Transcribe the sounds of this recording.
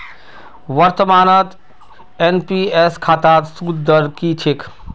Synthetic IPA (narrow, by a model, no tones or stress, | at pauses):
ʋəɾt̪əmaːnət̪ | enpieskʰaːt̪aːt̪suːd̪d̪əɾkit͡ʃʰɪk